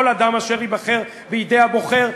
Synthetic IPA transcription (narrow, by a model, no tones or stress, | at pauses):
lad̪amaʃe̞ʁibaχe̞ʁ | beid̪ehabo̞χe̞ʁ